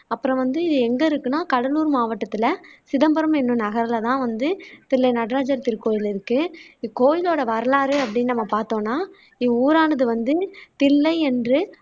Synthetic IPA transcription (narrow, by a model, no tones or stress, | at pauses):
ɐpːɯɾɐ̃ʋɐnd̪ɯɪðɯɛŋɡɐɪɾɯkːɯnaːkɐɽɐluːɾmaːʋɐʈːɐt̪ːɪlɐsɪðɐmbɐɾɐmɛnːɯ̃nɐɣɐɾɐlat̪ãːʋɐnd̪ɯt̪ɪlːɐɪnɐɽɾaːd͡ʒɐɾt̪ɪɾkoːjɪlɪɾɯkːɯkoːjɪloːɽɐʋɐɾɐlaːɾɯɐpːɐɽɪnːnɐmːɐpaːɾt̪õːnːaː | ɪuːɾaːnɐðɯʋɐnd̪ɯt̪ɪlːɐɪɛndrɯ